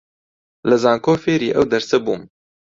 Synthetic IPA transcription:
ləzɑːŋkoːfeːɾiːʔɛwd̪ɛɾsɛbuːm

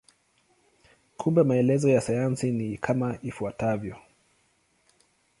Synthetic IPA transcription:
kʰumbɛmaɛlɛzɔjasajansinikʰamaʔifuatavjɔ

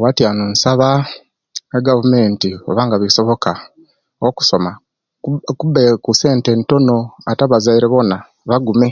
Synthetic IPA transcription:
watjanunsaβa | eɡavume̞ːntioβaːŋɡaβiso̞βo̞ka | oku̥so̞ma | kubekuse̞ːnte̞nto̞no̞ataβazaiɾeβo̞na | βaɡume

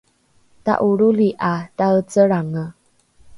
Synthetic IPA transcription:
ta̰ʔuɾuliʔataət͡səɾaŋə

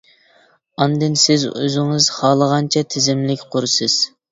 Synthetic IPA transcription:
ɑnd̪ɪnsɪzø̰zɪŋɨzχɑːlˠəʁɑnt͡ʃʰɛt̪ʰɪzɪmlɪkʲqʰʊɾsɨz̥

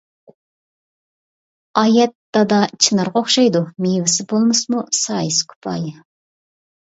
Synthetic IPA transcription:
ɑjɛt̪ːɑd̪ɑt͡ʃʰinɑɾʁoχʃɑjd̪umewɪsɪbolˠmɨsmusɑjɨskʲʰy̥pʰɑ̰j

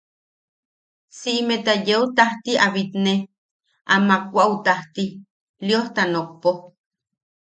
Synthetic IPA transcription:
siʔmet̪ajeut̪aht̪iaβit̪ne | ʔamakʷaʔut̪aht̪i | lioht̪anok̚po

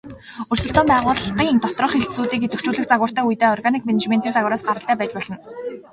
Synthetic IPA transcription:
ɵrsɵ̆ɬt̪ɔːmpæːʁʊːɮɢiːŋint̪ɔt̪rə̆χxeɬt̪suːt̪iːket̪ɵ̆kt͡ɕuːɮɘ̆xt͡saɣwə̆r̥t̪æːujt̪eːɔrɣanikmenet͡ɕment̪iːnt͡saɣwə̆ːɾaːsɢaɾə̆ɬt̪æːpæːt͡ɕpɔɮɞ̆n

